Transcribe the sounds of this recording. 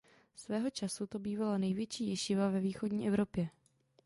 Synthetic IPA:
svɛːɦo̞t͡ʃasut̪o̞biːvalanɛjvjɛt͡ʃiːjɛʃɪvavɛviːxo̞dɲiːʔɛvɾo̞pjɛ

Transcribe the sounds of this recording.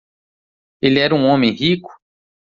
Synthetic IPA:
elɪɛɾũõmẽj̃ɦikʊ̥

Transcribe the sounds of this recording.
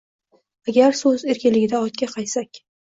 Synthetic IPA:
aɡʲaɾsɵze̞ɾkʲɪnlɪɡʲɪd̪aɒt̪̚kʲʰaqʰɑjsakʲ

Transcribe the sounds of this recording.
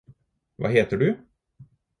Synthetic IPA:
va̰ɦeːt̪əɖɵ

